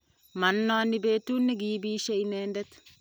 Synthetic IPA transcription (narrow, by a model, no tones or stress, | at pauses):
mɐnːoanːɪbeːt̪ːunːiɡiːbiːʃeineːndɛt̪